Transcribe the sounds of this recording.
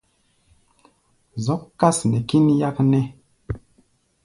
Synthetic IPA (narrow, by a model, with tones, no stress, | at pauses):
zɔ˨˦kkːa˦snɛ˨ki˦nja˦knɛ˦